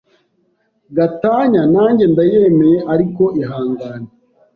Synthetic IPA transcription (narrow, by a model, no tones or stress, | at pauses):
ɡataːɲanaːɲɟe̞ndaje̞me̞jeʔaɾiko̞ʔiɦaːŋɡaːne